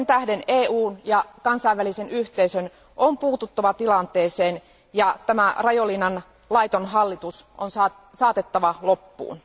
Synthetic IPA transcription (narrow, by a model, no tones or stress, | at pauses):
sent̪æhde̞neːuːnjɑkɑnsɑiʋːælise̞nyht̪eisøn | ʔompuːt̪ut̪ːɑʋɑt̪ilɑnt̪e̞ːse̞ːn | jɑt̪æmærɑjolinːɑn | lɑjt̪onɦɑlːit̪usʔonsɑ | sɑːt̪e̞t̪ːɑʋɑlo̞pːṵːn